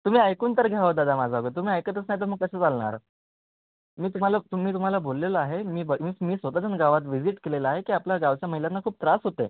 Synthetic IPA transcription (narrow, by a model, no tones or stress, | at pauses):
t̪um̤iːajkuːnt̪əɾɡʱjaʋəd̪ad̪amad͡zʱaɡət̪̬um̤iːajkət̪əsnajit̪əɾm̤əɡ̚kəseːt͡salɳa̰ɾ | miːt̪um̤alat̪um̤iːt̪um̤alabolːeləaɦemiːbəɡmiːmiːsʋət̪ad͡zənɡaʋat̪̬ʋid͡ziʈkeleləaɦekiːaplaɡaʋt͡ɕjaməɦiljanːakʰuːp̚t̪ɾasɦot̪e